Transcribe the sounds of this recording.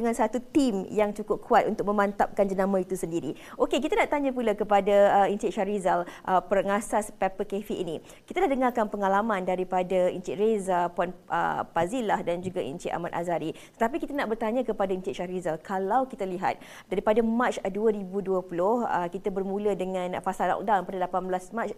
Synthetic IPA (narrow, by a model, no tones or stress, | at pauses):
dəŋansat̪ut̪imjaŋt͡ʃukʊp̚kʰuat̪ʔunt̪ʊk̚mə̃mant̪ap̚kand͡ʒənamãit̪usəndiɾiʔokek̬it̪anaʔt̪aɲapulakəpadaːint͡ʃiʔʃaɾizalʔəpərŋasaspɛpəkefiʔḭnĩ | ki̥t̪adahdəŋarkanpəŋalamãndaɾipadaḭnt͡ʃiɾezapuanʔə̰pazilahdand͡ʒuɡaʔḭnt͡ʃiʔa̰mat̪ʔa̰zaɾit̪ə̥t̪ap̬ikit̪anaʔbərt̪aɲãkəpadaint͡ʃiʔʃaɾizalkʰalawkit̪aliɦa̰t̪̚ | daɾipadamat͡ʃduəɾibuduəpulʊhə̰kit̪abərmũlədəŋãnfasalɔ̰k̚danpadalapanbəlasmat͡ʃ